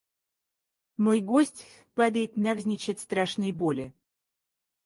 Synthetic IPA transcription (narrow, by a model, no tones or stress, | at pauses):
mojɡosʲtʲ | pad̪əjɪt̪navzʲnʲɪt͡ɕat̪ʲst̪ɾaʂnɨjbolʲɪ